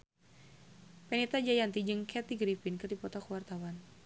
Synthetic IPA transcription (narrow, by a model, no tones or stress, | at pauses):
pɛnit̪ad͡ʒajant̪id͡ʒɨŋkʰɛt̪iɡɾifinkɨrdipɔt̪ɔkuwart̪awan